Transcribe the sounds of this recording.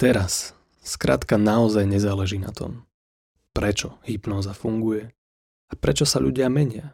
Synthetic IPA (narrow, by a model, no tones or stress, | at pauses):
t̪ɛɾas | skɾa̰ːt̪kanaɔzajɲɛzaːlɛʒiːna̰t̪ʰɔ̰m | pɾɛt͡ʃɔhipnɔːzafuŋɡujɛ | apɾɛt͡ʃɔsaʎṵɟɪamɛɲɪa